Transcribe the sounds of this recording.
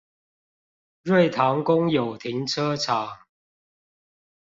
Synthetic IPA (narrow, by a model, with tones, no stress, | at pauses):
ɻwe˥˨ɪt̪ʰa˨˦ŋkʊ˦ŋjo˨˩ʊt̪ʰi˨˦ŋʈ͡ʂʰɤ˦ʈ͡ʂʰa˨˩˦ŋ